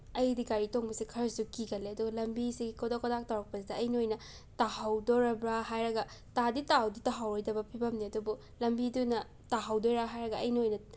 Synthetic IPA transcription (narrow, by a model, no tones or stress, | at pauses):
ɐjdiɡaɾitoŋbɐsikʰɐɾɐsukiɡɐleɐduɡɐlɐmbisiɡikodakodak̚tɐwɾɐk̚pɐsidɐːjniojnɐ | tahawdoɾɐbɾaɦajɾɐɡɐtaditawditaɦawɾojdɐbɐpʰibɐmniɐdubu | lɐmbidunɐ | taɦawdojɾaɦajɾɐɡɐɐjniojnɐ